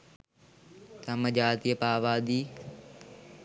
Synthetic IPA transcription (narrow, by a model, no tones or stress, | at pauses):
t̪ɐməʄaːt̪iːəpaːʋaːd̪iː